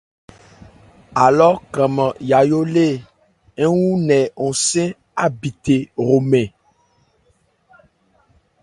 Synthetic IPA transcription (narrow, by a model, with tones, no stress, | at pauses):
a˨lɔ˦kɛ̃˨mã˨ja˨jo˦le˦˨ | e˦wu˦nɛ̃˨ŋo˨sɛ̃˦ | a˦bi˨t̪e˨ɾo˨mɛ̃˨